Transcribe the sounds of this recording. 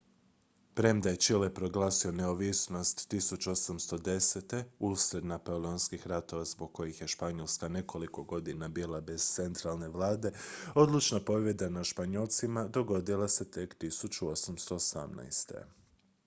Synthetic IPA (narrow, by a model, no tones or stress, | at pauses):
pɾe̞md̪ajet͡ʃilepɾo̞ɡlˠaːsio̞ne̞oʋisno̞st̪ːisut͡ʃuosamst̪o̞d̪e̞set̪e̞usɾe̞d̪napolionskixɾat̪o̞ʋazbo̞ɡ̚kːo̞jixje̞ʃpaɲolskane̞ko̞liko̞ɡo̞d̪inabiːlˠabe̞z̥t̪se̞nt̪ɾalˠne̞ʋlˠaːd̪e̞o̞d̪lut͡ʃnapo̞ʋje̞d̪anaʃpaɲolˠt̪simad̪o̞ɡo̞d̪ilˠase̞t̪e̞kt̪isut͡ʃuo̞samst̪o̞ːsa̰mna̰jst̪ḛ